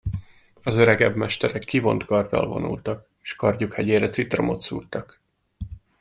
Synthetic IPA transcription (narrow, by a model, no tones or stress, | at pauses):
ɒzøɾɛɡɛbmɛʃt̪ɛɾɛkːivo̞nt̪kɒrd̪ɒ̰lvo̞̰nʔṵlt̪ɒk | eʃkɒrɟukhɛɟeːɾɛt̪sit̪ro̞̰mo̞t̪suːrt̪ɒk